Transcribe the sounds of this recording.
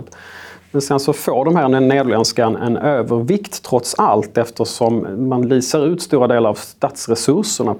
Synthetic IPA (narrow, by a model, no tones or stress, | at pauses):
t̪mɛnsɛnsɔfoːɖɔmɦæːɾnɛneːd̪lɛnskanɛ̰nøːvəɾvɪkt̪ʰːɾɔt̪salt̪ɛft̪əʂɔmmanliːsəɾʉ̟ːt̪st̪uːɾad̪eːlaɾavst̪aːt̪sɾɛsɵʂəɳa